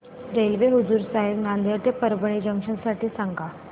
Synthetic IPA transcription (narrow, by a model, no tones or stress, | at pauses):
ɾelʋeɦud͡zuːɾsaɦeʋnand̪ʱet̪epəɾbəɳ̃id͡ʑəŋkʂənsaʈiːsaŋɡa